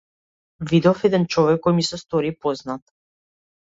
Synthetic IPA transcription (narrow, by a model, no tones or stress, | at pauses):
vid̪ɔfɛd̪ɛnt͡ʃɔvɛkːɔjmisɛst̪ɔɾipɔznat̪